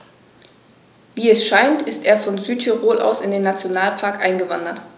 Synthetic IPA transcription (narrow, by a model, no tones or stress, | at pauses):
viːɛsʃaɪntɪstʔeːɐfɔnzyːtʰyʁoːlʔa̰ʊsɪndeːnat͡sjonaːlpʰaɐkʔaɪnɡəvandɐt